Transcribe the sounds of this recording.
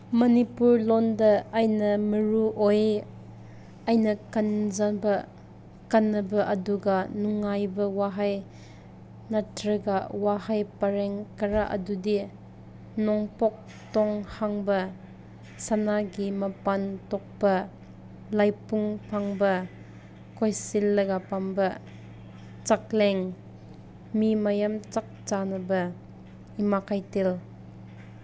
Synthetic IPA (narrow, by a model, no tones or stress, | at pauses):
mɐnipuɾlɔndɐajnɐmɐɾuʔoj | ajnɐkanzabɐ | kanːɐbɐʔɐduɡanuŋːajbɐwaɦaj | natɾɐɡawahajpɐɾeŋkɐɾaʔɐ̰dudi | nɔŋpɔk̚ | tɔŋhaŋbɐ | sanaɡimɐpantɔk̚pɐ | lajpuŋpʰaŋbɐ | kɔjsilːɐɡapambɐ | t͡ʃak̚lɛŋ | mimajamt͡ʃak̚t͡ʃanɐbɐ | imakʰajtil